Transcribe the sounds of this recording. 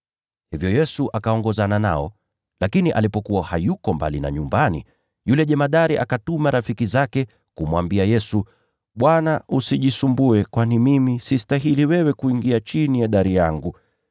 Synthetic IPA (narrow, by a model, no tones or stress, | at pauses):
hivjɔjɛsuʔakaɔŋɡɔzanana̰ɔ̰ | lakiniʔa̰lipɔkuwahajukɔmba̰lina̰ɲumbanḭ | julɛʄɛmaɗaɾiʔakatumaɾafikizakɛ | kumwambiajɛsu | ɓwanaʔusiʄisumbuɛkwanimimisistaɦiliwɛwɛkuiŋɡiat͡ʃinijɛɗaɾijaŋɡu